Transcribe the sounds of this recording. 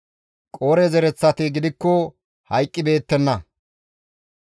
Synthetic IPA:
kʼo̞ːɾɛzɛɾɛt͡sːɐt̪ɪɡɪd̪ɪkːɔ | hɐjkʼːɪbe̞ːt̪ːɛnːɐ

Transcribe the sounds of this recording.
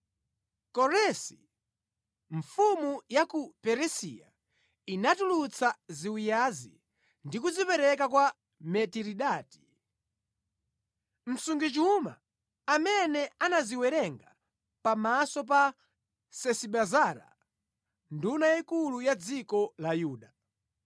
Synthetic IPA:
kɔɾɛsi | ɱfumujakupɛɾɛsḭja̰ | inatulut͡sʰaziwijazḭ | ndik̬uzipɛɾɛk̬akwa | mɛtiɾiɗaːti̥ | m̩suŋɡit͡ʃuma̰ː | mɛnɛanaziwɛɾɛŋɡa | pamasɔp̬a | sɛsiɓazaɾa̰ | ndunajikulujad͡zikɔlajuːɗa

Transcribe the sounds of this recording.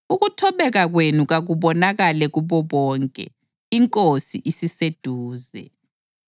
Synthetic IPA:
uɣutʰɔβɛɣaɣwenuɣaɣuβɔnaɣalɛɣuβɔβɔːŋkʼɛ̰ | iŋkʼosiʔisised̥ʱuːzɛ̰

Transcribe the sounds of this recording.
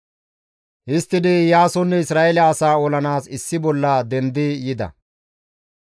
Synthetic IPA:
hɪst̪ːɪd̪ɪjaːsɔnːɛɪsɾaːʔelɐːsaːɔlɐnaːsɪsːɪbɔlːɐd̪ɛnd̪ɪjɪd̪ɐ̰

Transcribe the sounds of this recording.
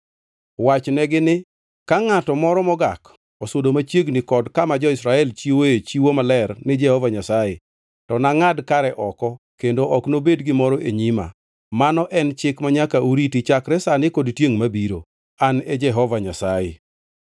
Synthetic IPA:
wat͡ʃnɛɡɪnɪ | kaŋatɔmɔɾɔmɔɡak | ɔsodomat͡ʃjeɡnɪkɔdkamad͡ʒɔɪsɾaɛlt͡ʃiwoet͡ʃiwomalɛrnɪd͡ʒɛhɔvaɲasaje | tɔnaŋadkaɾɛʔɔkɔ | kendoʔɔknobedɡɪmɔɾɔʔeɲima̰ | manɔʔɛnt͡ʃɪkmaɲakaʔuɾitit͡ʃakɾɛsanɪkɔdtjeŋmabiɾo̰ | aned͡ʒɛɦɔvaɲasajḛ

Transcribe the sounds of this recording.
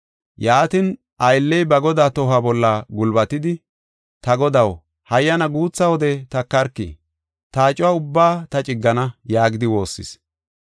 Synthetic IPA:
jaːt̪ɪn | ʔɐjlːɛjbɐɡɔd̪aːt̪ɔɦɐbɔlːɐɡʊlbɐt̪ɪd̪ɪ | t̪ɐɡɔd̪ɐw | hɐjːɐnɐɡuːt͡sːɐwɔd̪ɛt̪ɐkːɐɾkːḭ | t̪aːt͡ʃʼɪwaːʊbːaːt̪ɐt͡ʃʼɪɡːɐnɐjaːɡɪd̪ɪwo̞ːsːɪ̰s

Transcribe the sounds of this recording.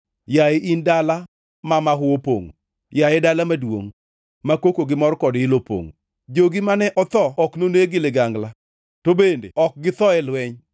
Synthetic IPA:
jaɪʔindala | mamaɦʊwopo̰ŋo̰ | jaɛdalamadwo̰ŋ | makokoɡɪmɔrkɔdɪlopo̰ŋo | d͡ʒoɡɪmanɛʔɔt̪ɔɔknoneɡɪlɪɡaŋɡla | tobendḛɔk̚ɡɪt̪ɔɛlwɛɲ

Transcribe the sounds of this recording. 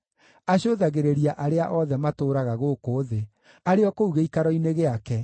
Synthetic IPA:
aɕoðaɣeɾeɾiaʔaɾeaʔɔðɛmatoːɾaɣaɣoːkoːðe | aɾeɔkouɣeikaɾɔineɣeakɛ

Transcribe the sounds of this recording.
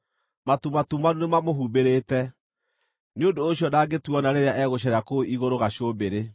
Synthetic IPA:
matumatumanunemamoɦuːbeɾeːtɛ | neondoːɕjɔdaːɡetuɔnaɾeɾeaʔɛɣoɕɛɾeakoiɣoɾoɣaɕobeɾe

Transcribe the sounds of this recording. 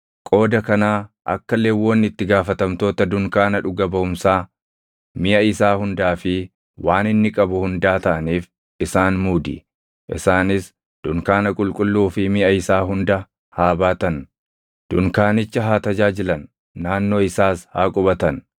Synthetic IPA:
kʼo̞ːd̪ɐkɐnaːʔɐ̰kːɐlːeːwːɔnːɪt̪ːɪɡaːfɐt̪ɐmt̪o̞ːt̪ɐd̪ʊŋkaːnɐᶑʊɡɐbɐʊmsaː | mɪʔɐɪsaːhʊnd̪aːfɪ | waːnɪnːɪkʼɐbʊhʊnd̪aːt̪ɐʔɐniːf | ɪsaːnmuːd̪ɪ̰ | ʔɪ̰saːnɪs | d̪̥ʊŋkaːnɐkʼʊlkʼʊlːuːfɪmɪʔɐɪsaːɦʊnd̪ɐ | haːbaːt̪ɐn | d̪̥ʊŋkaːnɪt͡ʃːɐɦaːt̪ɐd͡ʒaːd͡ʒɪlɐnː | aːnːo̞ːɪsaːshaːkʼʊbɐt̪ɐn

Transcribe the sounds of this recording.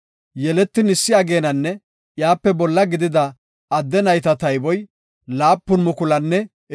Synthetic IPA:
jɛlɛt̪ːɪnɪsːɪjaɡe̞ːnɐnːɛ | jaːpːɛbɔlːɐɡɪd̪ɪd̪ɐː | d̪ːɛnɐjt̪ɐt̪ɐjbɔj | laːpːʊnmʊkʊlɐnːɛ

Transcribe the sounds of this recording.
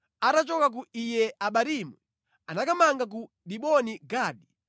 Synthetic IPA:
atat͡ʃɔkak̬uʔijɛaɓaɾimu | anakamaŋɡak̬u | ɗiɓɔniɡaːɗi

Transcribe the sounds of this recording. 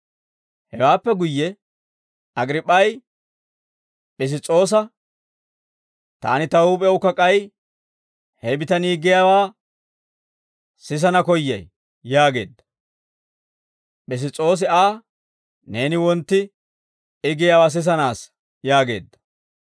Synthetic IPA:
hɛwaːpːɛɡʊjːɛ | ɐɡɾɪpʼːɐj | ɓɛs̬ɪt͡sʼːo̞ːs̬ɐ | t̪a̰ːnɪt̪ɐuːpʼɛʊkːɐkʼɐj | hɛbɪt̪ɐniːɡɪjaːwaː | sɪs̬ɐnɐkɔjːɐ̰j | jaːɡe̞̰ːd̪ːɐ̥ | ɓɛs̬ɪt͡sʼo̞ːs̬ɪaː | ne̞ːnɪwɔnt̪ːɪ | ɪɡɪjaːwaːs̬ɪs̬ɐnaːs | jaːɡe̞̰ːd̪ːɐ̥

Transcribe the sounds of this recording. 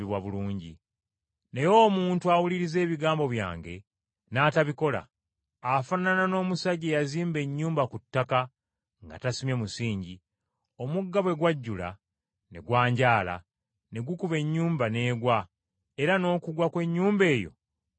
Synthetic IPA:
iβwaβuluːɲɟḭ | ne̞jo̞ːmuːntuawuliɾize̞ːβiɡaːmbo̞βja̰ːŋɡe̞ | naːtaβiko̞la̰ː | fananano̞ːmusaɟejaziːmbe̞ɲːuːmbakutːaka | ŋɡa̰tasimjemusiːɲɟi | o̞muɡːaβwe̞ɡwaɟːula̰ | ne̞̰ɡwaːɲɟaːla̰ | ne̞ɡukuβe̞ɲːuːmbane̞ːɡwa | e̞ɾano̞ːkuɡwakwe̞ɲːuːmbe̞ːjo̞̰

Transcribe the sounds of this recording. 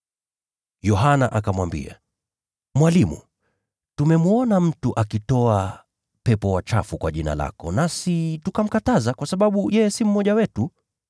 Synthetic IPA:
jɔɦana̰ʔakamwambḭa̰ | mwalimṵ | tumɛmuɔnam̩tuʔakitɔa | pɛpɔwat͡ʃafukwaʄina̰la̰kɔnasitukam̩katazakwasaɓaɓujɛjɛsim̩mɔʄawɛtu

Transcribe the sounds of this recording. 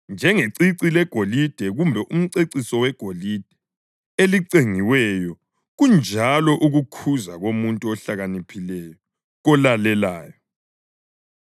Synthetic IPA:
nd͡ʒʱɛŋeǀiǀilɛɡ̥ʱolid̥ʱɛɣumbʱɛʔum̩ǀeǀisɔwɛɡ̥ʱolid̥ʱɛ | eliǀeŋiwɛjɔ | ɣund͡ʒʱalɔʔuɣukʰuzaɣomuntʼuɔɬaɣanipʰilɛjɔ | ɣɔlalɛlaːjɔ

